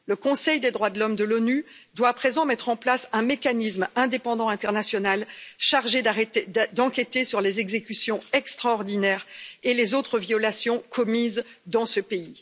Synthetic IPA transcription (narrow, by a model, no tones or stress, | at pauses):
ləkɔ̃sɛjd̪ed̪ʁwad̪lɔmd̪əlɔny | d̪waːpχezɑ̃mɛt̪χɑ̃plasɛ̃mekanismɛ̃d̪epɑ̃d̪ɑ̃ɛ̃t̪ɛʁnasjɔnalʃaʁʒe | d̪ɑ̃kʲet̪esyʁlezɛɡzekʲysjɔ̃ɛkst̪χaɔʁd̪inɛʁelezot̪χəvjɔlasjɔ̃kʰɔmiz | d̪ɑ̃səpei